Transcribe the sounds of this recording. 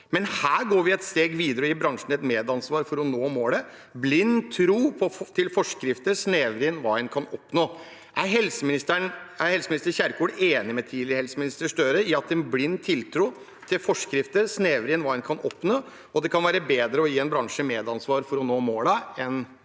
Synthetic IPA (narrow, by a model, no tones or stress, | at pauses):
mɛnhæːɾɡoːɾʋɪɛt̪st̪eːɡʋiːd̪əɾəɔjiːbɾɑŋʂn̩ɛt̪meːd̪ɑnsʋɑːɾfɔɾɔnoːmoːlə | blɪnːt̪ʰɾuːpʰɔt̪ʰɪlfɔʂkɾɪft̪əɾsneːʋɾɪənʋɑːɛnkʰɑnɔpnoː | ʔæɾɦɛlsəmɪnɪst̪əɳæɾhɛlsəmɪnɪst̪əɾçæɾkʰuːɖeːnɪmɛt̪ʰiːlɪɾəhɛlsəmɪnɪst̪əʂʈœɾəɪɑt̪ɛnblɪnːt̪ʰːɪlt̪ʰɾuː | t̪ʰɪlfɔʂkɾɪft̪əɾsneːʋɾɪənʋɑːɛnkʰɑnʔɔpnoː | ɔd̪ɛkʰɑnʋæːɾəbeːd̪ɾəɔjiːɛnbɾɑŋʂəmeːd̪ɑnsʋɑːɾfɔɾɔnoːmoːləɛn